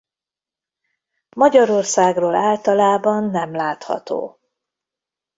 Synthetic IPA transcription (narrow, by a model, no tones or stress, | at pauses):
mɒɟɒɾo̞rsaːɡroːlaːlt̪ɒlaːbɒnːɛmlaːt̪hɒ̰t̪o̰ː